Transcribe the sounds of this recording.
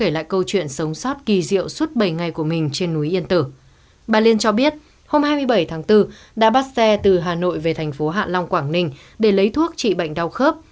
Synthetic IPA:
e˧˩jla̰ː˧˨jkə˧wt͡ɕwḭ˧˨ənsə˨˦wŋ͡msɔ˦˥t̚ki˨˩zḭ˧˨əwswə˦˥t̚ɓə˨˩jŋa˨˩jku˧˩əmï˨˩ŋ̟t͡ɕe˧nːu˨˦jʔi˧ənt̪ɨ˧˩ | ɓaː˧˩li˧ənt͡ɕɔ˧ɓi˦˥ət̚ | ho˧mhaː˧jmɨ˧əjɓə˧˩jt̪ʰaː˨˦ŋt̪ɨ˧ | ɗa̰ː˧˥ɓaː˦˥t̚sɛ˧t̪ɨ˨˩ɦaː˨˩no̰˧˨jve˨˩t̪ʰa˨˩jŋ̟fo˨˦ɦa̰ː˧˨la˧wŋ͡mkwaː˧˩ŋnï˧ŋ̟ | ɗe˧˩lə˨˦jt̪ʰu˦˥ək̚t͡ɕḭ˧˨ɓa̰˧˨jŋ̟ɗa˧wxəː˦˥p̚

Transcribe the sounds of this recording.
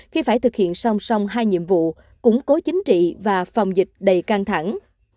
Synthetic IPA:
xi˧faː˧˩jt̪ʰɨ˨˩k̚hḭ˧˨ənsa˧wŋ͡msɔ˧wŋ͡mɦaː˧jɲḭ˧˨əmvṵ˧˨ | kʊ̰˧˥ŋ͡mko˨˦t͡ɕï˨˦ŋ̟t͡ɕḭ˧˨vaː˨˩fɔ˨˩wŋ͡mzi˨˩k̟̚ɗə˨˩jka˧ŋt̪ʰa˧˩ŋ

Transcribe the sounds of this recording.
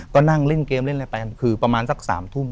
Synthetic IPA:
kɔː˥˩na˥˩ŋle˥˩nkeː˧mle˥˩nʔa˧˩pa˧ka˧˩nkʰɯː˧pɾa˧maː˧nsa˧˦˥k̚sa̰ː˩˦mt̪ʰu˥˩˨

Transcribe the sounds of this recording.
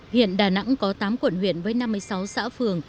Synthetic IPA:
hwḭ˧˨ənɗaː˧˩na̰˧˥ŋkɔ˨˦t̪aː˨˦mkwə˧˩˨nhwḭ˧˨ənvəː˨˦jna˧mː˧əjsa˨˦wsa̰ː˧˥fɨ˨˩əŋ

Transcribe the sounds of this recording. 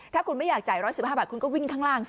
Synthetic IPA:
t̪ʰaː˥˩kʰu˧nma˥˩jaː˨˩k̚t͡ɕaː˨˩jɾɔː˦˥jsi˨˩p̚haː˥˩baː˨˩ku˧nkɔː˥˩wi˥˩ŋkʰaː˥˩ŋɾaː˥˩ŋ

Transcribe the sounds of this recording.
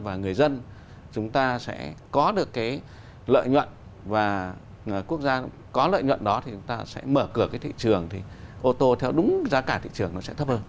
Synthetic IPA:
vaː˨˩ŋɨ˨˩əjzə˧n | t͡ɕʊ˨˦ŋ͡mt̪aː˧sɛ̰˧˥kɔ˨˦ɗɨ˨˩əkːaː˨˦j | lə̰ː˧˨jɲwə̰˧˨nvaː˨˩˨ | ku˦˥ək̚zaː˧ | kɔ˨˦lə̰ː˧˨jɲwə̰˧˨nɗɔ˨˦t̪ʰi˨˩t͡ɕʊ˨˦ŋ͡mt̪aː˧sɛ̰˧˥məː˧˩kɨ˧˩əkaː˨˦t̪ḭ˧˨t͡ɕɨ˨˩əŋt̪ʰi˨˩ʔo˧t̪o˧t̪ʰɛ˧wɗʊ˨˦ŋ͡mzaː˧kaː˧˩t̪ʰḭ˧˨t͡ɕɨ˨˩əŋnɔ˨˦sɛ̰˧˥t̪ʰə˦˥p̚həː˧n

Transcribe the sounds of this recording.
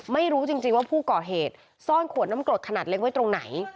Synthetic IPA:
ma˥˩jɾuː˦˥t͡ɕi˧ŋt͡ɕi˧ŋwaː˥˩pʰuː˥˩kɔː˨˩ɦeː˨˩t̪̚ | sɔː˥˩nkʰu˨˩˦t̚naː˦˥mklo˨˩t̪̚kʰa˧naː˨˩t̪̚le˦˥k̚wa˦˥t̪ɾo˧ŋna˩˦j

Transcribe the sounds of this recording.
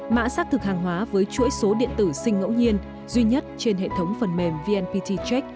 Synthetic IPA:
ma̰ː˧˥saː˦˥k̚t̪ʰɨ˨˩k̚haː˨˩ŋɦwaː˨˦vəː˨˦jt͡ɕu˧˥əjso˨˦ɗḭ˧˨ənt̪ɨ˧˩sï˧ŋ̟ŋə̰˧˥wɲi˧ən | zwi˧ɲə˦˥t̚t͡ɕe˧nɦḛ˧˨t̪ʰə˨˦wŋ͡mfə˨˩nme˨˩mvi˧ʔɛ˧npi˧t̪ʰi˧t͡ɕɛ˦˥k̚

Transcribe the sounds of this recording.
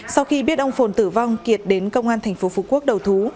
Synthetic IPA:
sa˧wxi˧ɓi˦˥ət̚ʔə˧wŋ͡mfo˨˩nt̪ɨ˧˩va˧wŋ͡mki˨˩ət̚ɗe˨˦nkə˧wŋ͡mʔaː˧nt̪ʰɛ˨˩ŋ̟fo˨˦fu˨˦ku˦˥ək̚ɗə˨˩wt̪ʰu˨˦

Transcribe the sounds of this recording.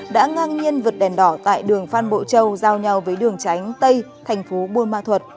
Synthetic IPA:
ɗa̰ː˧˥ŋaː˧ŋɲi˧ənvɨ˨˩t̚ɗɛ˨˩nɗɔ˧˩t̪a̰ː˧˨jɗɨ˨˩əŋfaː˧nɓo̰˧˨t͡ɕə˧wzaː˧wɲa˧wvəː˨˦jɗɨ˨˩əŋt͡ɕa˨˦jŋ̟t̪ə˧j | t̪ʰɛ˨˩jŋ̟fo˨˦ɓu˧ənmaː˧t̪ʰwə˨˩t̚

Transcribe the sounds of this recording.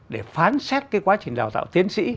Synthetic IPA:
ɗe˧˩faː˨˦nsɛ˦˥t̚kaː˨˦jkwaː˨˦t͡ɕï˨˩ŋ̟ɗaː˨˩wt̪a̰ː˧˨wt̪i˨˦ənsḭ˧˥

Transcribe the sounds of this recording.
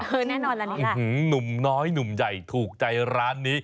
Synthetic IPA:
nɛː˥˩nɔː˧nla˦˧˩nu˨˩mnɔː˦˥jnu˨˩mja˨˩jt̪ʰuː˨˩k̚t͡ɕa˧jɾaː˦˥nːiː˦˥

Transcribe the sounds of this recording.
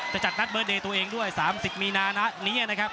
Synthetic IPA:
t͡ɕa˨˩t͡ɕa˨˩t̪̚na˦˥t̪̚ɤː˦˥deː˧t̪u˧əʔeː˧ŋdu˥˩əjsaː˩˦msi˨˩p̚miː˧naː˧na˦˥niː˦˥ʔa˨˩na˦˥kʰa˦˥p̚

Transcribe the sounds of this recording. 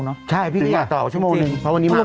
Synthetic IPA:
nɔ˦˥t͡ɕʰa˥˩jpʰiː˥˩˧a˨˩t̪ɔː˨˩t͡ɕʰu˥˩˨moː˧nɯ˨˩ŋpʰɔ˦˥wa˧nːiː˦˥˩l

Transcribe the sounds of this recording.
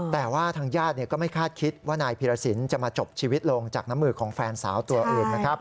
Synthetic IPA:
t̪ɛː˨˩waː˥˩t̪ʰaː˧ŋjaː˥˩t̪̚ni˥˩ɐkɔː˥˩ma˥˩jkʰaː˥˩t̪̚kʰi˦˥t̪̚waː˥˩naː˧jpʰiː˧ɾaː˧si˩˦nt͡ɕa˨˩maː˧t͡ɕo˨˩p̚t͡ɕʰiː˧wi˦˥t̪̚lo˧ŋt͡ɕaː˨˩k̚na˦˥mːɯː˧˩kʰɔː˩˦ŋfɛː˧nsaː˩˦wt̪u˧ɐʔɤː˧˩nna˦˥kʰɾa˦˥p̚

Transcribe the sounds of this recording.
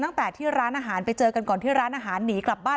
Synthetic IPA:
t̪a˥˩t̪ɛː˨˩t̪ʰiː˥˩ɾaː˦˥nʔaː˧ɦaː˩˦npa˧jt͡ɕɤː˧ka˧nkɔː˨˩nt̪ʰiː˥˩ɾaː˦˥nʔaː˧ɦaː˩˦nːiː˩˦kla˨˩p̚baː˥˩

